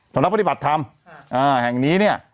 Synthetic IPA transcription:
sʰa˩˦mna˦˥pa˧t̪i˩ba˨˩t̪ʰːa˧m | ʔaː˧˩hɛ˨˩ŋniː˦˥ni˥˩ɐ

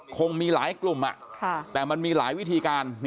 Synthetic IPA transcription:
kʰo˧ŋmiː˧laː˨˩˦jklu˨˩mʔa̰˨˩ʔkʰa˧˩t̪ɛː˨˩ma˧nmiː˧laː˩˦jwi˦˥t̪ʰiː˧kaː˧nn

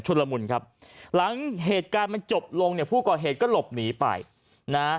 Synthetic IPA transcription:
t͡ɕʰu˧la˧mu˧nkʰa˦˥p̚la˩˦ŋɦeː˨˩t̪̚kaː˧nma˧nt͡ɕo˨˩p̚lo˧ŋni˥˩ɐpʰuː˥˩kɔː˨˩ɦeː˨˩t̪̚kɔː˥˩lo˨˩p̚niː˩˦pa̰˧j | na˦˥

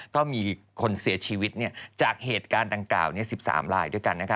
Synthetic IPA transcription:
k̪ɔː˥˩miː˧ | kʰo˧nsi˩˦ɐt͡ɕʰiː˧wi˦˥t̪̚ni˥˩ɐt͡ɕaː˨˩k̚heː˨˩t̪̚kaː˧nda˨˩ŋkla̰ː˨˩wni˥˩ɐsi˨˩p̚sa̰ː˩˦mɾaː˧jdu˥˩əjka˧nːa˦˥kʰa˦˥

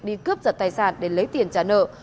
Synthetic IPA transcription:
ɗi˧kɨ˦˥p̚zə˨˩t̪aː˧˨˩jsaː˧˩nɗe˧˩lə˨˦jt̪i˨˩ənt͡ɕaː˨˧˩nə̰ː˧˨

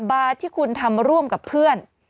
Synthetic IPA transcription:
baː˧t̪ʰiː˥˩kʰu˧nt̪ʰa˧mɾu˥˩əmka˨˩pʰːɯ˥˩ən

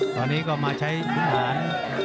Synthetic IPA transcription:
t̪ɔː˧nːiː˦˥kɔː˥˩maː˧t͡ɕʰa˦˥jpa˦˥˩ɦaː˩˦n

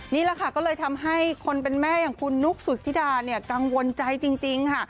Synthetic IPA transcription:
niː˥˩lɛ˧˥kʰa˥˩kɔː˥˩lɤː˧jt̪ʰa˧mɦa˥˩jkʰo˧npe˧nmɛː˥˩jaː˨˩ŋkʰu˧nːu˦˥k̚su˨˩t̪ʰːi˦˥˩daː˧ni˥˩ɐka˧ŋwo˧nt͡ɕa˧jt͡ɕi˧ŋt͡ɕi˧ŋkʰa˥˩

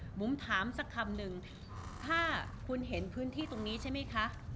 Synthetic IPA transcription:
mu˩˦mt̪ʰaː˩˦msa˧˥kʰːa˧mnɯ˨˩ŋ | t̪ʰaː˥˩kʰu˧nɦe˩˦npʰɯː˦˥nt̪ʰiː˥˩t̪o˧ŋniː˦˥t͡ɕʰa˥˩jma˦˥jkʰa˦˥ʔ

